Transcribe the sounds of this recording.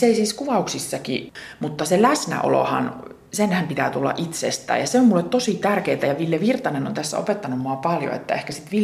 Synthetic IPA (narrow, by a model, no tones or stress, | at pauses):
seisiːskuʋɑuksisːɑkḭmut̪ːɑselæsnæ̰ʔo̰lo̰hɑ̰n | senhæmpit̪æːt̪ulːɑ̰ʔit̪sḛst̪æ̰ːjɑseommulːet̪t̪osit̪ærkeːt̪æjɑʋiljeʋirt̪ɑneno̰nt̪æsːæ̰o̰pet̪ːɑnummoɑpɑljo̰ḛt̪ːæ̰ehkæsit̪ʋil